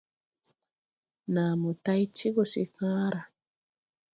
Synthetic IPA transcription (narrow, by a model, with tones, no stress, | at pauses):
na˨mu˨ta˦jtʰi˦ɡo˨si˨kãː˦ɾa˨